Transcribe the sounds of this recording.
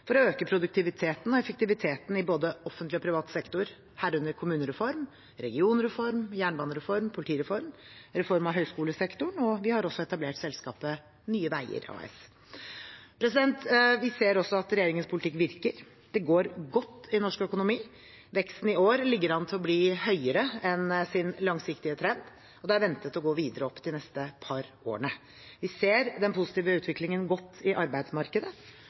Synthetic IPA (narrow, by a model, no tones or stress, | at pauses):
fɔɾɔøːkəpʰɾʊd̪ʉk̚t̪ʰɪʋɪt̪ʰeːt̪n̩ɔɛfəkt̪ɪʋɪt̪ʰeːt̪n̩ɪboːd̪əɔfənt̪lɪɔpʰɾɪʋɑːt̪sɛkt̪ʊɾ | hæːɾʉnːəɾkʰʊmʉːnəɾɛfɔɾm | ɾɛɡɪuːnɾɛfɔɾmjæːɳbɑːnəɾɛfɔɾmpʰʊlɪʈʰiːɾɛfɔɾmɾɛfɔɾmɑɦœʏskuːləsɛkt̪ʊɳɔʋɪhɑɾɔsːɔɛt̪ɑbleːʈsɛlskɑ̰ːpə | nyːəʋæɪə̰ɾɑ̰ːɛ̰s | pʰɾɛsɪd̪ɛnt̪ʋɪseːɾɔsːɔɑt̪ɾɛjeːɾɪŋənspʰʊlt̪ɪkːʋɪɾkəɾ | d̪̥ɛɡoːɾɡɔt̪ːɪnɔʂkœkʊnʊmiː | ʋɛkst̪n̩ɪoːɾlɪɡːəɾɑnt̪ʰɪlɔbliːhœʏəɾəɛnsɪnlɑŋsɪkt̪ɪət̪ʰɾɛnd̪ | ɔd̪ɛæɾʋɛnt̪ət̪ːɔɡoːʋiːd̪əɾəɔpːd̪ɪnɛst̪əpʰɑɾʔoːɳə | ʋɪseːɾd̪ɛnpʊsɪ̥t̪iːʋəʉːt̪ʰʋɪklɪŋənɡɔt̪ːɪʔɑɾbæɪd̪smɑɾkəd̪ə